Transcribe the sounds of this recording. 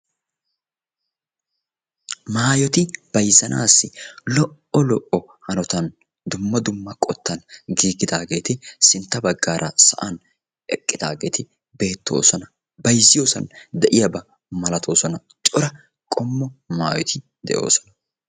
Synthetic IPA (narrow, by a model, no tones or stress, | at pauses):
maːjɔt̪ɪb̥ɐjzɐnʔa̰ːsːɪlɔʔɔlɔʔɔ | hɐnɔt̪ɐn | d̪ʊmːɐd̪ʊmːɐkʼɔt̪ʰːɐnɡiːɡɪd̪aːɡe̞ːt̪ɪsɪnt̪ːɐbɐɡːaːɾʔɐsɐ̰ʔɐn | ɛkʼːɪd̪a̰ːɡe̞ːt̪ɪ | be̞ːt̪ːo̞̰ːsɔnɐ | bɐjzːɪjo̞ːsɐnd̪ɛʔɪjɐbɐ | mɐlɐt̪ʰo̞ːsɔnɐ | t͡ʃʼɔɾɐ | kʼɔmːɔma̰ːjɔt̪ʰɪ | d̪ɛ̰ʔjo̞̰ːsɔ̥nɐ